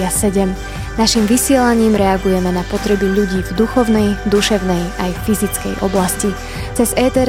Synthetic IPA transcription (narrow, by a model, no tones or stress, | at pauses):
asɛɟɛm | naʃimʋisɪɛlaɲiːmɾɛaɡujɛmɛnapɔt̪ɾɛbiʎuɟiːvd̪uxɔʊnɛjd̪uʃɛʊnɛjajffizit͡skɛ̰jʔɔ̰blasci | t͡sɛzɛːt̪ɛɾ